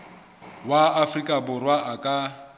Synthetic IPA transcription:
waːfrikʼabʊrwaʔakʼa

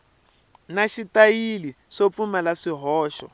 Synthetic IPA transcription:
naʃitajili | ʂop̪fumalaʂiɦɔːʃɔ̰

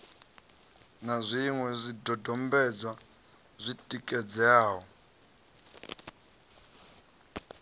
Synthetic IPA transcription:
nazʷiŋwɛzʷidɔdɔmbɛd͡zwa | zʷitʼikʼɛd͡zɛaːɦɔ

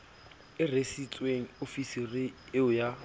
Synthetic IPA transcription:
ɪresit͡sʼweŋ̩ofisirɪɪʊja

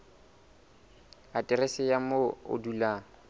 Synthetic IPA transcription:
atʼɪɾesɪjamoo̰dula

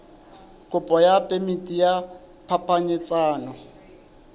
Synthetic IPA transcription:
kʼʊpʼɔjapʼemitʼija | pʰapʰaɲɪt͡sʼaːnɔ

